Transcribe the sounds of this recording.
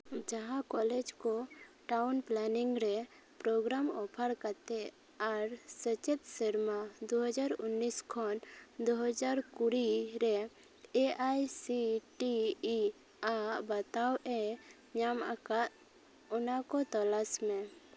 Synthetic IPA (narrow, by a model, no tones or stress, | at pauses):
d͡ʒaɦãkɔled͡ʒkoʈawnplɛniŋɡɾɛ | pɾoɡɾamɔpʰəɾkaɾt̪ɛ | aɾsət͡ʃet̪siɾmad̪oɦəd͡ʒaɾʊnːiskʰɔnd̪oɦəd͡ʒaɾkuɾiɾɛ | eajsiʈi | abət̪awʔɛ | ɲamaka | ɔnakɔt̪ɔlasmẽ